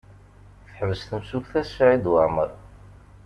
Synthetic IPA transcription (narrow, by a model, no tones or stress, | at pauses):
θħəvəsθəmsukθæsʕid̪waʕməɾˤ